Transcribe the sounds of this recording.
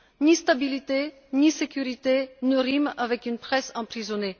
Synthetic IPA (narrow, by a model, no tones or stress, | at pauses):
nist̪abilit̪e | nisekʲyʁit̪enəʁimavɛkynpχɛsɑ̃pχizɔne